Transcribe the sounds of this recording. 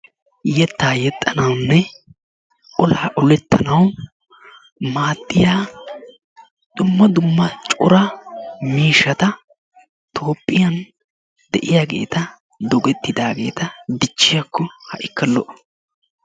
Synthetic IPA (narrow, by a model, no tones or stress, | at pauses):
jɛt̪ːaːjɛt̪ʼːɐnɐwnːɛ | ɔlaːʔɔlɛt̪ʰːɐnɐw | maːt̪ʼːɪjaː | d̪̥ʊmːɐd̪ʊmːɐt͡ʃʼʊ̰ɾɐmiːʃːɐt̪ɐ | t̪ʰo̞ːpʼːɪjɐn | d̪ɛʔɪjaːɡe̞̰ːt̪ɐ | d̪ɔɡɛt̪ːɪd̪aːɡe̞ːt̪ɐd̪ɪt͡ʃːɪjɐkːɔhɐʔɪkːɐlːɔʔ